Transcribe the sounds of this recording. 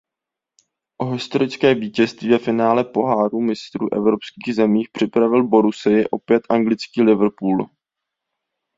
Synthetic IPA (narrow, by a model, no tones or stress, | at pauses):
ʔo̞ɦɪst̪o̞ɾɪt͡skɛːviːcɛst̪viːvɛfɪnaːlɛpo̞ɦaːɾuːmɪst̪ɾṵːʔɛ̰vɾo̞pskiːɣzɛmiːxpr̥ɪpɾavɪlbo̞ɾusɪjɪʔo̞pjɛt̪ʔaŋɡlɪt͡skiːlɪvr̩puːl